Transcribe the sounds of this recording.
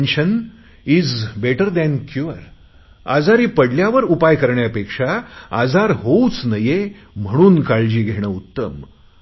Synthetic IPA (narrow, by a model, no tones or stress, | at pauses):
nɕən | iːd͡zbeʈəɾd̪ɛ̃nkjuəɾ | a̰d͡zaɾiːpəɽljaʋəɾupajkəɾɳjapekʂaad͡zaɾɦout͡snəje | m̤əɽ̃uːnkaɭd͡ʑiːɡʱeɽ̃əːut̪ːəm